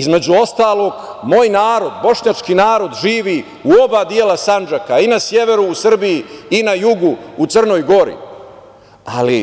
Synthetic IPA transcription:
izme̞d͡ʑuo̞st̪aːlˠo̞ɡ | mo̞ːjnaːɾod̪bo̞ʂɲat͡ʂkinaːɾo̞d̪ʒiːʋi | uo̞baːd̪jelasand͡ʒakainasje̞ʋe̞ɾuːsr̩bijiinajuɡuut̪srno̞jɡo̞ɾḭ | ali

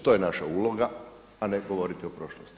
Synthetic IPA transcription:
t̪ojenaʃauːlo̞ɡa | aneɡo̞ʋo̞ɾit̪iopɾo̞ʃlost̪i

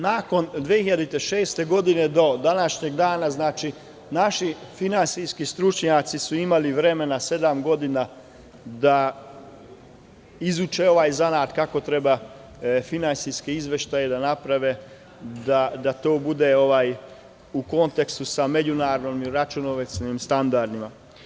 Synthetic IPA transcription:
nako̞nd̪ʋehiʎad̪it̪eʃe̞ːst̪e̞ɡo̞d̪ined̪o̞d̪anaʃɲeɡd̪aːnaznaːt͡ʃi | naʃifinansijskist̪ɾut͡ʃɲat̪sisuimaliʋɾe̞me̞nase̞d̪amɡo̞d̪ina | d̪a | izut͡ʃeo̞ʋaːjzanaːt̪kako̞t̪ɾe̞ba | finansijskeizʋe̞ʃt̪aje̞d̪anapɾaʋe̞ | d̪ad̪at̪oːbud̪e̞o̞ʋaːj | uko̞nt̪ekst̪usame̞d͡ʑunaːɾnomiɾat͡ʃunoʋesnimst̪and̪aɾd̪ima̰

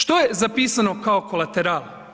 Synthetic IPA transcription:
ʃt̪ojezapiːsano̞kaokolˠat̪eɾaːlˠ

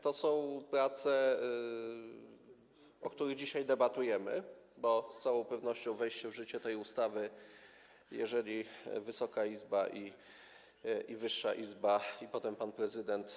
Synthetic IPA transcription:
t̪ɔsɔ̃w̃pɾat̪sɛ | ɔk̚t̪uɾɘɣd͡ʑiɕajd̪ɛbat̪ujɛmɘbɔst̪sawɔ̃w̃pɛvn̪ɔɕt͡ɕɔ̃w̃vɛjɕt͡ɕɛvʐɘt͡ɕɛt̪ɛjust̪avɘ | jɛ̰ʐɛlʲivɘsɔkaizbaʔi | ʔivɘʂːaʔizbaipɔt̪ɛmpanpɾɛzɘd̪ɛnt̪

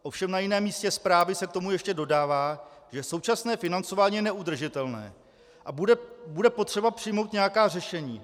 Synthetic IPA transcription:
ʔo̞fʃɛmnajɪnɛːmːiːscɛspɾaːvɪsɛk̚t̪o̞mujɛʃcɛdo̞daːvaːʒɛso̞wt͡ʃasnɛːfɪnant͡so̞vaːɲiːjɛnɛʔud̪r̩ʒɪt̪ɛlnɛ̰ː | ʔabudɛbudɛpo̞t̪r̝̥ɛbapr̥ɪjmo̞wt̪ɲɛjakaːrɛʃɛɲiː

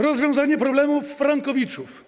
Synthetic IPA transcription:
ɾɔzvʲjɔ̃w̃zaɲɛpɾɔblɛmufːɾaŋkɔvʲit͡ʂuf

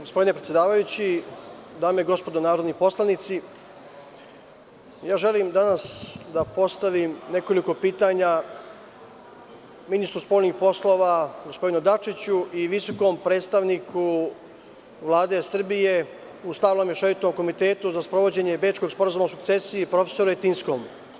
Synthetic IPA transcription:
ɡospo̞d̪inepɾet̪je̞d̪aːʋajut͡ɕid̪aːmeiɡo̞spo̞d̪onaːɾo̞d̪nipo̞slˠanit̪si | jaːʒe̞limd̪anasd̪apo̞st̪aʋimne̞ko̞liko̞piːt̪aːɲa | minist̪ɾuspo̞ːlʲnixpo̞slˠo̞ːʋaɡo̞spo̞d̪inud̪at͡ʃit͡ɕuʔiʋiso̞ko̞mpɾe̞ːt̪st̪aʋnikʰu | ʋlˠaːd̪e̞sr̩bije̞ | ust̪aʋlomjeʃaʋit̪omko̞mit̪e̞ːt̪uzaspɾo̞ʋo̞d͡ʑe̞ɲe̞bet͡ʃko̞ɡspo̞ɾazumaosukt̪se̞siipɾo̞fe̞̥so̞ɾuet̪insko̞ːm

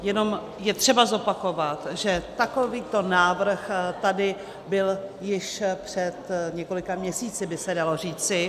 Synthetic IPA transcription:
jɛno̞m | jɛt̪r̥ɛbazo̞pako̞vat̪ʒɛt̪akoviːt̪o̞naːvr̩xt̪adɪ | bɪljɪʃpr̝̥ɛt̪ɲɛko̞lɪkamɲɛsiːt͡sɪbɪsɛdalo̞riːt͡sɪ

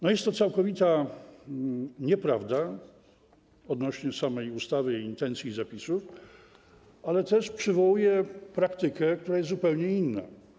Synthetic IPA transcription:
nɔjɛst̪ːɔt̪sawkɔvʲit̪a | ɲɛpɾavd̪a | ɔd̪nɔɕɲɛsamɛjust̪avɘiiːnt̪ɛnt̪sʲizapʲisuf | alɛt̪ɛʂpʂɘvɔwujɛpɾakt̪ɘkɛk̚t̪uɾajɛst̪zupɛwɲɛinːa̰

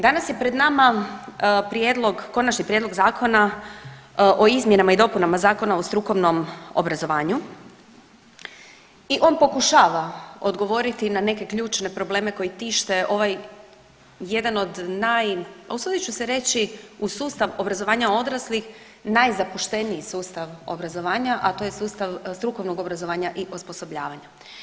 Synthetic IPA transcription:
d̪anasje̞pɾe̞d̪nama | pɾjed̪lˠo̞ɡko̞nat͡ʃnipɾje̞d̪loɡzaːko̞na | ʔoizmjenamaid̪opunamazaːko̞naost̪ɾuko̞ʋno̞mo̰bɾazo̞ʋaːɲu | iʔo̞ːnpo̞kuʃaːʋao̞d̪ɡo̞ʋo̞ːɾit̪inane̞ke̞kʎuːt͡ʃne̞pɾo̞ble̞ːme̞ko̞jit̪iʃt̪e̞ʔo̞ʋaj | ed̪ano̞d̪najsud̪it͡ʃuseɾe̞t͡ɕiusuːst̪aʋobɾazoʋaːɲao̞d̪ɾaslix | najzapuʃt̪e̞niisuːst̪aʋo̞̰bɾazo̞ʋaːɲaʔat̪o̞ːjesuːst̪aʋst̪ɾuko̞ʋnoɡo̞bɾazo̞ʋaːɲaʔiʔosposo̞bʎaːʋaɲa

